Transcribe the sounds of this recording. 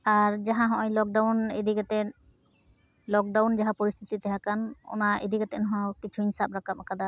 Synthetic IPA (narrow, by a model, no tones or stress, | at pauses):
aɾd͡ʒaɦãɦɔ̃ʔɔ̃jlɔk̚ɖawned̪ikat̪ɛ | lɔk̚ɖawnd͡ʒaɦãpoɾist̪ʰit̪it̪ɛɦakanɔ̰naed̪iɡat̪ɛnɔɦɔ̃kit͡ʃʰuinsap̚ɾakap̚akʰad̪a